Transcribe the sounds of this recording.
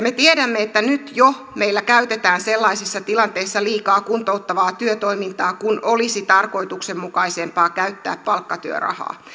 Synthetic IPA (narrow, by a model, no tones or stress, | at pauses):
met̪iedæmːeet̪ːænyt̪jo | meilːækæyt̪et̪æːnselːɑisisːɑt̪ilɑnt̪eisːɑliːkɑːkunt̪oˑut̪ːɑʋɑːt̪yøt̪oimint̪ɑːkunolisit̪ɑrko̞it̪uksemmukɑisempɑːkæyt̪ːæ̰ːppɑlkːɑt̪yø̰rɑ̰hɑ̰ː